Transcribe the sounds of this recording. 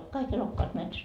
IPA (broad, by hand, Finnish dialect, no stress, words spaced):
ol kɑik elokːɑːt metsæs